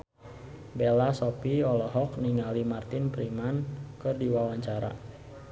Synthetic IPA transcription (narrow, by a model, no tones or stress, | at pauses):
belasɔpiɔlɔɦɔkniŋalimart̪ɪnpɾimankɨrdiwawaɲt͡ʃaɾa̰